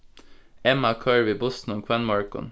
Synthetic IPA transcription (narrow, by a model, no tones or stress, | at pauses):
ɛmɑkʰɑːɹʋɪbʊsn̩ɔŋkʰwɛnmɑɹkɔ̰n